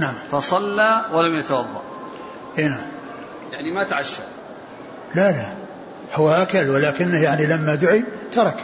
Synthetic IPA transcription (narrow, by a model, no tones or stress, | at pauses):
naʕamfɑsˤɑlːaːwalamjat̪awɑðˤːɑ̰ʔ | ʔeːnaʕam | jaʕnimat̪ʕaʃːa̰ | lala | hʊwːaʔakalwɪlaːkɪnːəhjaʕnilamːad̪ʊʕit̪ɑɾˤɑk